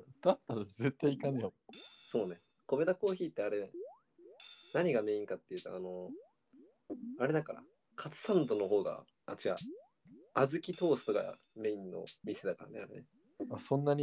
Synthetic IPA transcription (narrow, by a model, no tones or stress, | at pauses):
d̪̥at̪ːaɾaze̞t̪ːaiikanejoso̞ːne̞ | ko̞me̞d̪ako̞ːçʲiːt̪ːe̞aɾe̞ | naɲ̟iɡame̞ːĩŋkat̪ːe̞jɯ̟t̪oano̞ | aɾe̞d̪akaɾa̰ | kʰat͡sɨ̥sãnt̪o̞no̞ɦo̞ːɡa̰ | a̰t͡ɕɨka̰ | azɨkʲit̪o̞ːsɨ̥t̪o̞ka̰ | me̞ĩnːo̰mʲise̞d̪akaɾa̰neaɾe̞ne | asõ̞nːaɲ̟i